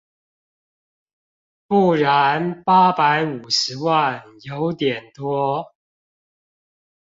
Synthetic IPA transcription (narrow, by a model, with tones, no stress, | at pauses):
pu˥˩ɻa˨˦npa˦pa˨˧˦ɪu˨˩ʂɻ̩˧˦wa˥˨njo˨˦ʊt̪jɛ˨˩nt̪wɔ˥